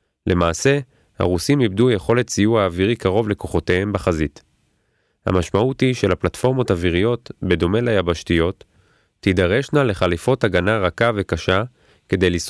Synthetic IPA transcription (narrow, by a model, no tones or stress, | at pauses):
lʔe̞maːse̞ | ha̰ʁusimibdujeχo̞le̞tsijuaːviʁikaʁo̞vle̞ko̞χo̞tehembeχazit | ha̰maʃmautiʃe̞lhaplatfo̞ʁmo̞taviʁijo̞t̪be̞do̞me̞lajabaʃtijo̞tː | idaʁe̞ʃnale̞χalifo̞taɡanaʁakave̞kaʃa | ke̞de̞jlis